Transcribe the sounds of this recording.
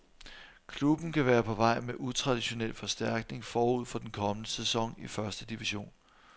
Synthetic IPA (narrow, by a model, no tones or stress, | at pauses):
kʰlub̥n̩kʰæʋæːɐpʰɒ̽ʋɑ̈ɪ̰meʔut͡sʰʁɑ̈d̥iɕo̝nel̰fɒ̽sd̥æɐ̰ɡ̥̚ne̝ŋfɒːuð̞̰ˠfɒ̽d̥enkʰɒ̽mənəsesɒ̽ŋ̰ifɶɐsd̥əd̥iʋiɕo̝̰ːn